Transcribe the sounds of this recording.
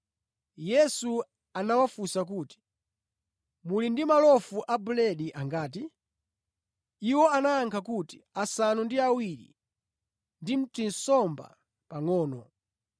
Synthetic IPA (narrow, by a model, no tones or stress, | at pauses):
jɛsu | anawafusak̬uːti̥ | mulindimalɔfuʔabulɛɗiʔaŋɡaːti | iwɔanaːŋkʰakuti̥asanundiawiɾḭ | ndim̩tin̩sɔmba̰ | paŋɔːnɔ̰